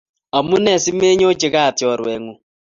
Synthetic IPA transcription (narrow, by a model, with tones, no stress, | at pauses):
a˨mu˦nɛ˨si˦me˦ɲo˦t͡ʃe˨˦ɣa˦˨tjɔ˨ɾwɛ˨ŋu˨